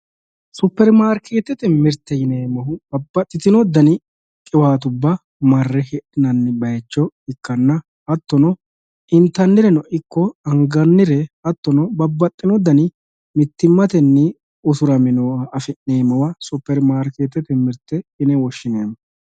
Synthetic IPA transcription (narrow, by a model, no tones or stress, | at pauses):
sʊpːɛɾmaːɾkʰe̞ːt̪ːɛt̪ɛmɪɾt̪ːɛjɪneːmɐhʊbɐbːɐt̪ʼːɪt̪ɪnɔd̪ɐnɪ | kʼɪwaːt̪̬ʊbːɐ | mɐrːɛhɛɗɪnɐnːɪbɐjt͡ʃːɔɪkːɐnːɐ | hɐt̪ːɔnɔ | ɪnt̪ɐnːɪɾɛnɔʔɪkːɔɐŋɡɐnːɪɾɛhɐt̪ːɔnɔbɐbːɐt̪ʼːɪnɔd̪ɐnɪ | mɪt̪ːɪmːɐt̪ɛnːɪ | ʊsʊɾɐmɪnɔɐfɪnneːmɐwɐsʊpːɛɾmaːɾkeːt̪ːɛt̪ɛmɪɾt̪ːɛɪnɛwɔʃːɪneːmːɐ